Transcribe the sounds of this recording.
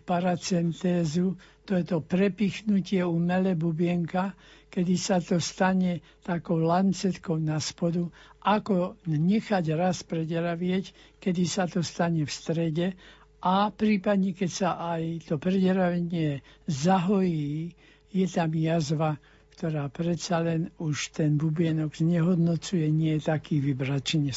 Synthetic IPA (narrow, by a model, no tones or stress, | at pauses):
paɾat͡sɛnt̪ɛːzut̪ɔjɛt̪ɔpɾɛpiːxnucɪɛumɛlɛbubɪɛŋkakɛd̪isat̪ɔst̪aɲɛ | t̪akɔʊlant͡sɛt̪kɔʊnaspɔd̪uʔakɔɲɛxaɟɾaspɾɛɟɾaʋɪɛc | kɛd̪isat̪ɔst̪aɲɛfst̪ɾɛɟɛ | ʔapɾiːpad̪ɲɛkɛcsaʔajt̪ɔpɾɛɟɾaʋɛɲɪɛzaɦɔjiː | jɛt̪amjazʋa | kt̪ɔɾaːpɾɛtt͡salɛnuʃt̪ɛnbubɪɛnɔɡzɲɛɦɔd̪nɔt͡sujɛɲɪɛt̪akiːʋibɾat͡ʃiɲɛ